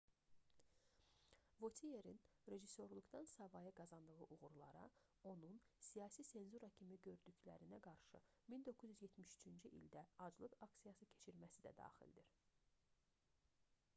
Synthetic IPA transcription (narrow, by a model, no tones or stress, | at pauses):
vo̞t̪ʰije̞ɾinɾe̞ʒiso̞ɾlˠuɡd̪ɑnsɑvɑjɯɡɑzɑnd̪ɯɣɯʔuɣuɾlˠɑ̰ɾɑ̰ | o̞nun | sijɑːsise̞nzuɾɑcʰimiɟø̞ɾd̪yclæ̰ɾinæɡɑɾʃɯ̰ | mind̪o̞kʰːuzjyzjet̪miʃy̥t͡ʃʰynd͡ʒyʔḭld̪æɑd͡ʒlˠɯɡɑksijɑsɯcʰe̞̥t͡ʃʰiɾmæsid̪æ̰d̪ɑ̰ːxḭld̪iɾ̥